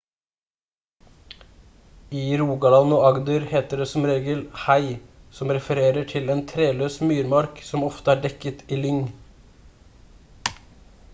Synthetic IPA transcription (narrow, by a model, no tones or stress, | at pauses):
iːɾuːɡɑlɑnʊɑɡd̪ʉɾheːt̪əɖeːsɔmɾeːɡəlhæɪsɔmɾɛfəɾeːɾəʈʰɪleːnt̪ʰɾeːløːsmyːɾmɑɾksɔmɔft̪əæːɖɛkət̪ʰiːlʏŋ